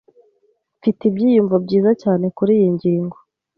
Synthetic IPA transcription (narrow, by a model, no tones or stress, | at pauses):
fitibɟiːjuɱvabɟiːzacaːne̞kuɾiːjiɲɟiːŋɡo